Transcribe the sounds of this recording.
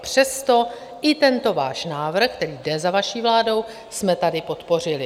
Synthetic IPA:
pr̝̥ɛst̪o̞ | ʔɪt̪ɛnt̪o̞vaːʃnaːvr̩xk̚t̪ɛɾiːdɛzavaʃiːvlaːdo̞w | smɛt̪adɪpo̞t̪po̞r̝ɪlɪ

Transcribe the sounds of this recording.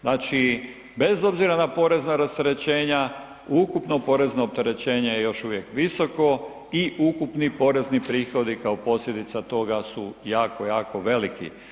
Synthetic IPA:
naːt͡ʃi | be̞zo̞bziɾanapo̞ɾe̞znaɾast̪eɾe̞t͡ɕe̞ːɲa | ukupno̞po̞ɾe̞znoːp̚t̪e̞ɾe̞t͡ɕe̞ːɲejejo̞ʃuʋje̞kʋiso̞ko̞ | iʔukupnipo̞ɾe̞znipɾiːxo̞d̪ikaopo̞sʎʲed̪it̪sat̪o̞ɡasujaːkojaːko̞ʋe̞likḭ

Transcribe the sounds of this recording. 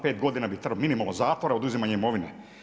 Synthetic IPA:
pe̞ːt̪ɡo̞d̪inabit̪r̩minimalozaːt̪ʋoɾaod̪uzimaːɲeimo̞ʋine

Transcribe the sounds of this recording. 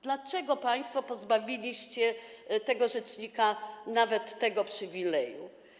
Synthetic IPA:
d̪lat͡ʂɛɡɔpaj̃st̪fɔpɔzbavʲilʲiɕt͡ɕɛt̪ɛɡɔʐɛt͡ʂɲikanavɛt̪ːɛɡɔpʂɘvʲilɛjṵ

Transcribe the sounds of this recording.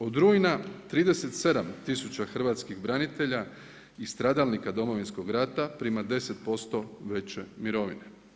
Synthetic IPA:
o̞d̪ɾujnat̪ɾiːd̪e̞set̪se̞d̪amt̪isut͡ɕaxr̩ʋaːt̪skixbɾanit̪e̞ʎa | ist̪ɾaːd̪alnikad̪o̞mo̞ʋinsko̞ɡɾat̪apɾimad̪e̞set̪̚po̞st̪o̞ʋe̞t͡ɕemiɾo̞ʋḭne

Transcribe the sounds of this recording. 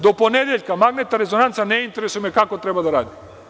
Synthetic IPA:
d̪oponɛd̪ɛlʲkamaɡnɛt̪aɾɛzonant̪sanɛint̪ɛɾɛsujmɛkakot̪ɾɛbad̪aɾad̪i

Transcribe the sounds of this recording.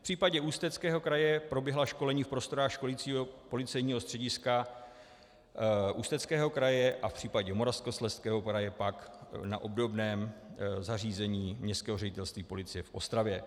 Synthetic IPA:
pr̥iːpaɟɛuːst̪ɛt͡skɛːɦo̞kɾajɛpɾo̞bjɛɦlaʃko̞lɛɲiːfpɾo̞st̪o̞ɾaːxʃko̞liːt͡siːɦo̞po̞lɪt͡sɛjɲiːɦo̞st̪r̥ɛɟɪska | ʔuːst̪ɛt͡skɛːɦo̞kɾajɛʔafpr̥iːpaɟɛmo̞ɾafskoslɛst̪kɛːɦo̞kɾajɛpakna̰ʔo̞bdo̞bnɛːmzariːzɛɲiːmɲɛst̪kɛːɦo̞rɛɟɪt̪ɛlst̪viːpo̞lɪt͡sɪjɛfʔo̞st̪ɾavjɛ

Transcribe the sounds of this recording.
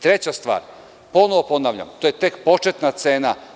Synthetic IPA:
t̪ɾe̞t͡ɕast̪ʋa̰ːɾ | po̞noʋo̞po̞naʋʎa̰mt̪ojet̪ekpo̞t͡ʃet̪nat̪se̞ːna

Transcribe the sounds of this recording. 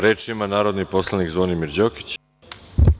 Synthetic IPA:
ɾeːt͡ʃimanaːɾod̪nipo̞slˠanikzonimiɾd͡ʑoki̥t͡ɕ

